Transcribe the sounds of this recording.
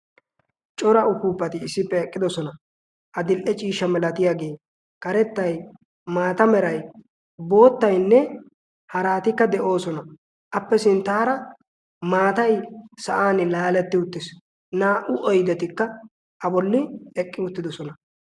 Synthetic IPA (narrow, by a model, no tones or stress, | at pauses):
t͡ʃʼɔɾɐʊkuːpːɐt̪ɪːsːɪpːɛːkʼːɪd̪ɔsɔnɐ | ʔɐd̪ɪlʔɛt͡ʃʼiːʃːɐmɛlɐt̪ɪjaːɡe̞ː | kɐɾɛt̪ːɐj | maːt̪ɐmɛɾɐj | bo̞ːt̪ːɐjnːɛ | hɐɾaːt̪ɪkːɐd̪ɛʔo̞ːsɔnɐ | ʔɐpːɛsɪnt̪ːaːɾɐ | maːt̪ɐjsɐʔaːnɪlaːlɛt̪ːɪʊt̪ːɪs | naːʔʊʔɔjd̪ɛt̪ɪkːɐ | ʔɐbɔlːɪɛkʼːɪʊt̪ːɪd̪ɔsɔnɐ